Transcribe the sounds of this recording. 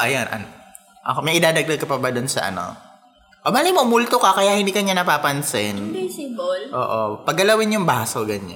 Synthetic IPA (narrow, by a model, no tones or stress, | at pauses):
ʔɐjonʔɐ̰n | ʔɐ̰komɐjʔɪd̪aːd̪ɐɡ̚d̪ɐɡ̚kɐpɐbɐd̪ʊnsɐ̰ʔɐ̰no̰ | ʔobaːlɪkmomult̪okɐkɐjaʔhɪnd̪iːkɐɲanɐpaːpɐnsɪnblʔo̰ːʔopɐɡɡɐlɐwɪnjʊŋbaːsoɡɐɲːa